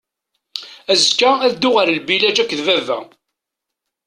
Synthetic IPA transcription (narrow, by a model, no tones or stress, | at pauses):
æzkːææðd̪ʊʁaɾlbilæd͡ʒækʷːðvævæ̰